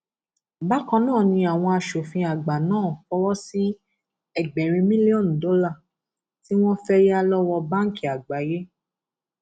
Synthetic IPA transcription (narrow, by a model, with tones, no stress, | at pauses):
ba˦kã˧nãː˦˨nĩ˧a˨w̃ɔ̃˧a˧ʃo˨fĩ˧a˨ɡ͡ba˨nãː˦˨kɔ˧˦wɔ˦si˦ | ɛ˦˨ɡ͡bɛ˨ɾ̃ĩ˧mĩ˦li˦ɔ˦˨n̩˨do˨˦la˦˨ | ti˦w̃ɔ̃˦fɛ˦ja˦lɔ˦wɔ˧ba˦ŋ̩˦ki˨a˨ɡ͡ba˨je˦